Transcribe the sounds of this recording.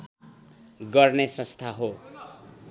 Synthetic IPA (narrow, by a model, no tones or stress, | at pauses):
ɡʌrnesʌ̃st̪ʰaɦo